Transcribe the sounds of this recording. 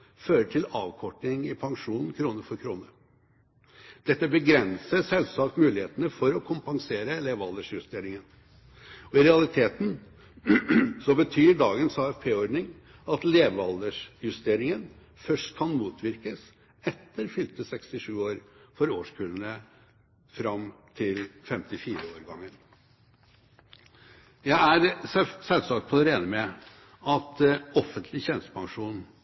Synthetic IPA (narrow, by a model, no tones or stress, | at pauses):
føːɾəʈʰɪlɑːʋkʰɔʈːɪŋɪpʰɑŋʂuːnn̩kʰɾuːnəɾfɔɾkʰɾuːnə | d̪̥ɛt̪ːəbəɡɾɛnsəsɛlsɑːkt̪mʉːlɪheːt̪ənəfɔɾɔkʰʊmpɑŋseːɾəleːʋɑld̪əʂjʉst̪eːɾɪŋən | ɔɪɾɛɑlɪt̪ʰeːt̪n | sɔbət̪ʰyːɖɑːɡənshɑːɛfpʰeːɔɾɖnɪŋ | ɑt̪leːʋɑld̪əʂjʉst̪eːɾɪŋən | fœʂʈkʰɑnmuːt̪ʰʋɪɾkəs | ɛt̪ːəɾfʏlt̪əsɛkst̪ɪʂʉːoːɾfɔɾoːʂkʰʉːlənə | fɾɑmt̪ʰɪlfɛmt̪ɪfiːɾəoːɾɡɑŋːən | jæɪæɾsɛlsɑk̚t̪pʰɔd̪ɛɾeːnəmɛ | ɑt̪ɔfːənt̪ʰlɪçɛnst̪ə̥pʰɑŋʂuːn